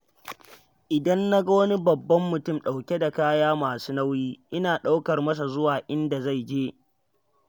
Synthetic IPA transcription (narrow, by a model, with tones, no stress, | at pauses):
ʔɪ˨dɐ˦nːa˦ɡa˦wɐ˦ni˦bɐ˨bːɐ˦mːʊ˨tʊ˦˨mɗa˨wkʲe˦da˨kaː˦jaː˦maː˨su̥ː˦na˦wjiː˦ʔɪ˦naː˨ɗa˦wkɐ˨rmɐ˦s̬a˨zʊ˦waː˨ʔɪ˦nda˨za˦˨jd͡ʒeː˦